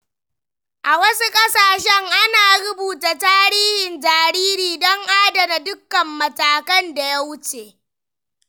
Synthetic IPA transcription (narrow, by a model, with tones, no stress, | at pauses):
ʔa˨wɐ˦su˦kʼɐ˦saː˨ʃɛ˦ŋʔa˦naː˨ɽʊ˦buː˨ta˨taː˦ɾiː˦hɪ˨nd͡ʒaː˨ɾiː˦ɾiː˨dɔ˦ŋʔaː˦da˨na˨dʊ˦kːɐ˨mːɐ˨taː˨kɐ˦nda˨ja˦wʊ˦t͡ʃeː˨